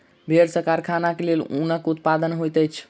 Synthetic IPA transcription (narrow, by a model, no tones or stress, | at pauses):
bʱeɾsəɾkaɾkʰanakelelṵnəkut̪̚pad̪ənɦojt̪əjt͡ʃʰ